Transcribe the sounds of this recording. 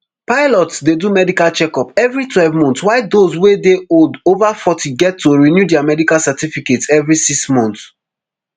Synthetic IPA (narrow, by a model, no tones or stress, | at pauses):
paɪlɔtsdedumɛdikalt͡ʃɛkɔpɛvɹitwɛlvmɔ̃ntswaɪdozwedeodovafɔtʰiɡɛtʰːoɹinjudɛamɛdikalsatifiketsɛvɹisiksmɔ̃nt